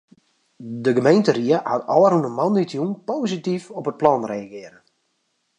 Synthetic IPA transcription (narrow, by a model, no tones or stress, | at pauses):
dəɡəmejntəɾiəhatɔəɾunəmɔnitjunpoːzitifɔpət̚plɔnreaɡɪəɾən